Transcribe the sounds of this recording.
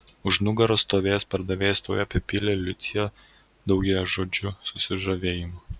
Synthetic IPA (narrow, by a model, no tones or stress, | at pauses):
ʊʒnʊɡɐɾoːst̪oːʋʲeːjɛspɐɾd̪ɐʋʲeːjɛst̪oːjɛpʲɛpʲɪlʲɛlʲʊt̪sʲɪjɛ | d̪ɒʊɡʲɛjoʒoːd͡ʒʲʊsʊsʲɪʒɐʋʲeːjɪmː